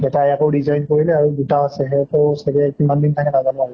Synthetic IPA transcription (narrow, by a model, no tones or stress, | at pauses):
ɛtaakowɹizajnkoɹilɛaɹudutawasɛɦɛɔtɔsabɛkimandintʰakɛnazanɔaɹɛ